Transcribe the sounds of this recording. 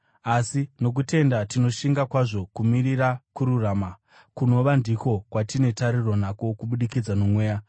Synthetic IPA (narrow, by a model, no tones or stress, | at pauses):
asino̞k̬ute̞ndatino̞ʃiŋɡakwaʐo̞kumiɾiɾakuɾuraːma | kuno̞ʋandiko̞kwatine̞taɾiro̞nako̞kuɓuɗikid͡zanomwe̞ːja